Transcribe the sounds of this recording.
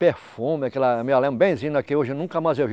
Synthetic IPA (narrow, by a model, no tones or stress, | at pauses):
peɾfũmɪakɛlɐmewalẽmbẽj̃zĩnɐkɪoʒɪnũkɐmajzewvi